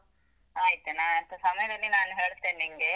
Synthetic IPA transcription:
aːjit̪enaːɐnt̪ʰɐsɐmɐjɐd̪ɐlːinaːnuɦe̞ːɭt̪eːniŋɡe

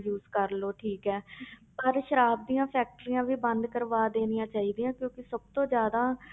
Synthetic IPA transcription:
juːzkəɾloːʈʰiːkɛːpəɾʃəɾaːb̚d̪ijãːpʰɛːk̚ʈəɾiːãːʋiːbə̃nd̪kəɾʋaːd̪eːnɪjãːt͡ʃaːiːd̪ijãːkjõːkɪsəb̚t̪õːd͡ʒjaːd̪aː

